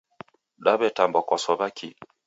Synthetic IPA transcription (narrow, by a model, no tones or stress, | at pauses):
ɗaβɛtambɔkwasɔβakʰi